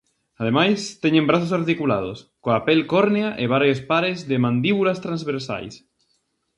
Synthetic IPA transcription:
aðemajst̪eɲẽmbɾaθosaɾt̪ikula̰ð̞o̰skoapelkoɾneaʔeβ̞aɾjospaɾezðemãnd̪iβulast̪ɾãnzβeɾsa̰js

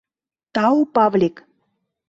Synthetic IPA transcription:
t̪ɑupɑβlʲik

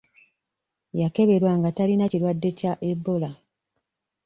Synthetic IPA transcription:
jake̞βe̞ɾwaŋɡatalinacilwadːe̞caʔebːola

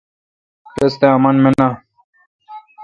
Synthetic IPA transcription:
pest̪eɐmɐnmena

